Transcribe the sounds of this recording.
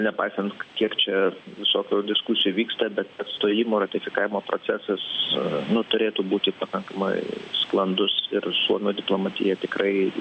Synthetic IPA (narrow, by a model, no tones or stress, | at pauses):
nʲɛpɐɪsʲɛnt̪kkʲiɛkt͡ʃʲɛʋʲɪsoːkʲoːd̪ʲɪskʊsʲɪjuʋʲiːkst̪ɐbʲɛt̪ɐt̪st̪oːjɪmoːrɐt̪ʲɪfʲɪkɑːʋʲɪmoːpɾo̰t͡s̪ʲɛsɐsnʊt̪ʊɾʲeːt̪uːbuːt̪ʲɪpɐkɐŋkɐmɐ̰ɪsklˠɐnd̪ʊsɪrsuɔnuːd̪ʲɪplˠoːmɐt̪ʲɪ̰jɛt̪ʲɪkrɐɪ